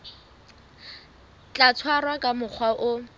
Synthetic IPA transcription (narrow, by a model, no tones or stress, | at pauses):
t͡ɬat͡sʰwarwakʼamʊk͡xʰwaʔʊ